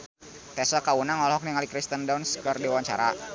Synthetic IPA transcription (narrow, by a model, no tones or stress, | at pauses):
t̪ɛsakaunaŋɔlhɔk̚niŋalikɾist̪əndanskərdiwaɲt͡ʃa̰ɾa